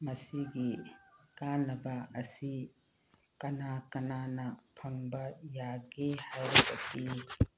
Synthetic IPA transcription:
mɐsiɡikanːɐbɐɐsi | kɐnakɐnanɐpʰɐŋbɐjaɡehajɾokaki

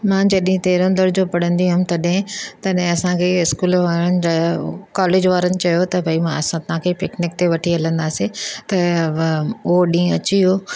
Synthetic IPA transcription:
mãːd͡ʑɐɗɪɦĩt̪eːɾõnd̪əɾd͡ʑopɐɽ̤ə̃nd̪iɦʊ̃mt̪ɐɗɦɪ̃t̪ɐɗɦɪ̃ɐsãkʰeɪskuːlʋaːɾənɪ̆d͡ʑaːkaːleːd͡ʑʋaːɾənɪ̆t͡ɕɐjot̪ɐbʱɐimãɐsãt̪ɐɦãkʰepɪknɪk̚t̪eʋɐʈʰiɦɐlə̃nd̪aːsẽt̪ɐ | oɗĩːɐt͡ɕiɦoː

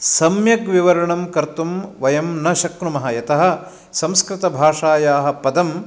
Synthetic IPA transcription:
sɐmjɐɡʋiʋɐɾɐɳɐmkɐɾt̪umʋɐjɐmnɐʃɐkɾumɐɦɐjɐt̪ɐɦɐ̆ | sɐmskɾɪt̪ɐbʱaːʂaːjaːɦɐ̆pɐd̪ɐm

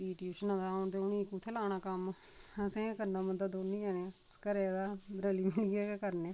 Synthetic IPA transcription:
iːʈijuːʃnãːd̪aːoɳt̪eʊnĩːkːũːt̪ʰɛːlaːɽ̃aːkəm | əsẽːkəɾnaːmənd̪əd̪oːnĩːɛːneãskəɾeːd̪aːɾəːliːmɪlɡaːkːkəɾnẽː

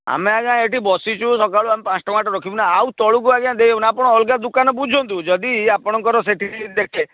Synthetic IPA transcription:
a̰meaɡãeʈibɔsit͡ʃʰusɔkaɭuamepãsʈɔmaʈɔɾɔkʰibɔnaaut̪ɔɭukuaɡãd̪eebunapɔɽ̃ɔɔlɡad̪ukanɔbud͡ʒʱɔnt̪ud͡ʒɔd̪iapɔɽ̃ɔŋkɔɾɔseʈʰiid̪ekʰe

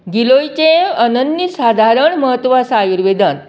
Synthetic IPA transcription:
ɡilojt͡ɕẽənənjisad̪ʱaɾəɳməɦət̪ːʋasajuɾʋed̪ən

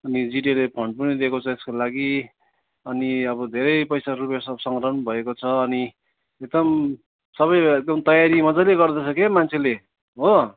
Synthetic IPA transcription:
ʌnid͡ziʈelepʰʌɳɖ̚pʌnid̪ekot͡sʰʌeskolaɡi | ʌniʌbʌd̪ʱeɾʌjpʌjsarupesʌsʌŋɡrʌʌnbʱʌekot͡sʰʌːni | ek̚d̪ʌm | sʌβʌjeɡ̚d̪ʌmt̪ʌjaɾimʌd͡zajleɡʌrd̪ʌt͡sʰʌkemant͡sʰele | ɦo

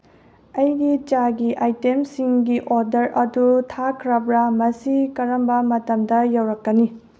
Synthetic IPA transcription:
ɐjɡit͡ʃaɡiʔajtemsiŋɡiʔoɾdɐɾɐdutʰakʰɾɐbɾɐmɐsikɐɾɐmbɐmɐtɐmdɐjɐwɾɐkːɐni

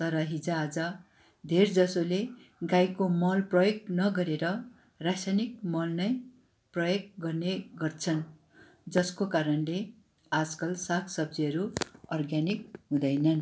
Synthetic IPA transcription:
t̪ʌɾʌɦid͡zaːd͡zʌ | d̪ʱerd͡zʌsole | ɡajkomʌlprʌjoɡ̚nʌɡʌɾeɾʌ | rasajnik̚mʌlnʌj | prʌjoɡ̚ɡʌrneɡʌrt͡sʰʌn | d͡zʌskokaɾʌnle | ad͡zkʌlsakʰsʌb̚d͡ziʌɾuʌrɡjanik̚ɦũd̪ʌjnʌn

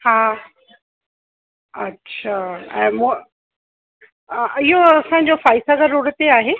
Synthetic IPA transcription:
haː | ɐtːɕʰaːɛ̃mũ | ɪɦoɐsãɲ̆d͡ʑofaːɪsaɡəɾuɽət̪eaːɦeː

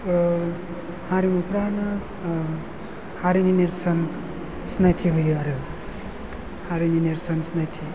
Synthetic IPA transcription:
hãɾimupɾaɾna | haɾinineɾsʌn | snajtʰiɦujiaɾɯ | haɾinineɾsʌnsnajtʰi

